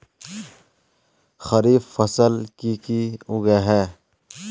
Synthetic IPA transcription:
xɐɾiːffɐsəlkikiʊɡeɦɛː

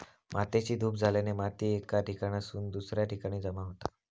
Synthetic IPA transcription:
mʔat̪et͡ɕiːd̪ʱuːp̚d͡zʱalenemat̪iːekaʈikaɽ̃jasuːnd̪usɾjaʈikaɽ̃iːd͡zəmaɦot̪a

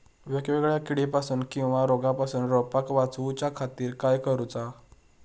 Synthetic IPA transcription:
ʋeɡʋeɡɭjakiɽepasuːnkĩw̃ʋaɾoɡãpasuːnɾɔpakʋat͡sut͡ɕjakʰat̪iːɾkajkəɾut͡sa

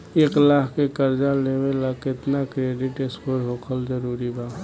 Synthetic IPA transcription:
eːklaːɦkekəɾd͡ʒalemẽlakɪt̪nakɾeːɖɪʈɪspəɾɦoːkʰəlzəɾuːɾibaː

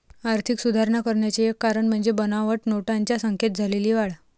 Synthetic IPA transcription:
aɾt̪ʰiksud̪ʱaɾɳakəɾɳjat͡ɕeekːaɾəɳm̤əɳd͡zebənaʋəʈnoʈaɲt͡ɕjasəŋket̪̚d͡zʱaleliːʋaɭ

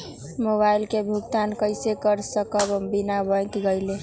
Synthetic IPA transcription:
moβajlkebʱuɡ̚t̪ankəɪsekəɾsəkəbbinabə̃jk̪ɡəɪle

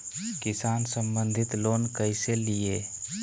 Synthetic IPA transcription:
kɪsaːnsə̃mbə̃nd̪ʱɪt̪loːnkəɪselie

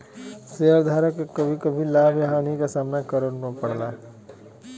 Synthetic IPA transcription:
seɦəɾd̪ʱaːɾəkːekəbʱikəbʱilabjəɦãnikesaːmnakəɾənmepəɽlaː

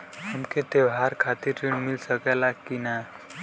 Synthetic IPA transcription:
həmket̪ebɦaɾkʰat̪iɾʈeɳmilsəkɛlakːina

